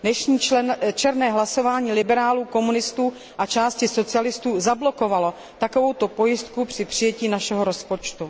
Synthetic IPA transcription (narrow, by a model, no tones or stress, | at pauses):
dnɛʃɲiːt͡ʃɛɾnɛːɦlaso̞vaːɲiːlɪbɛɾaːluːko̞munɪst̪uː | ʔat͡ʃaːscɪso̞t͡sɪalɪst̪uːzablo̞ko̞valo̞ | t̪ako̞vo̞wt̪o̞po̞jɪst̪kupr̥ɪpr̥ɪjɛciːnaʃɛɦoɾo̞spo̞t͡ʃt̪u